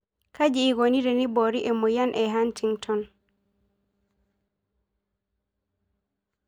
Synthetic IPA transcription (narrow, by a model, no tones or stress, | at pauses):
kʰad͡ʒiːɡoniɾɛniboɾiʔɛmɔjanʔɛɦantiŋtʰɔn